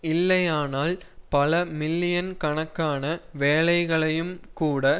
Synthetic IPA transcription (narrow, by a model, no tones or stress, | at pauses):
ɪlːɐjaːnaːl | pɐlɐmɪlːɪjɐnkɐɳɐkːaːnɐʋeːlɐɪɣɐɭɐjɯmkuːɽɐ